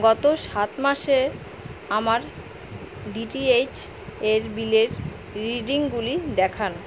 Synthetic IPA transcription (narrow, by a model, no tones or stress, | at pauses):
ɡɔt̪oʃat̪maʃe | amaɾ | ɖiʈiet͡ɕ | eɾbileɾ | ɾiɖiŋɡulid̪ɛkʰan